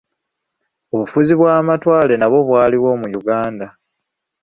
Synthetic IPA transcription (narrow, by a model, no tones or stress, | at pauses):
o̞βufuziβwaːmatwaːle̞naβo̞βwaːliβwo̞ːmujuɡaːnda